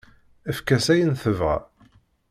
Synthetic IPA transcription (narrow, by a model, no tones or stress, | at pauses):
əfkæsæjənθəvʁæ̰